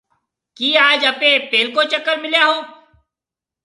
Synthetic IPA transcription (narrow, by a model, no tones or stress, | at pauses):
kiːaːd͡ʒəpeːp̪eːlkoːt͡ʃəkːəɾmɪljaɦoː